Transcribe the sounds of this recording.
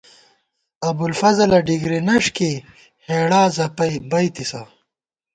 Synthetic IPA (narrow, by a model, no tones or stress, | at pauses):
ɐbulfɐzɐlɐɖiɡɾenɐʂke | heːɽaːzɐpɐjbɐjt̪isɐ